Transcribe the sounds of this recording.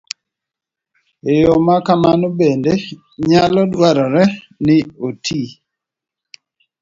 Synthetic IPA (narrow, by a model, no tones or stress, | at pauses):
ejɔmakamanobende | ɲalɔdwaɾɔɾɛ | nɪotʰi